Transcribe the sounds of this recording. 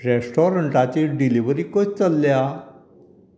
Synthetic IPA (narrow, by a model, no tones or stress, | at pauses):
ɾɛsʈɔɾəɳʈat͡ɕiɖiliʋəɾiːkɔt͡ɕt͡səlːja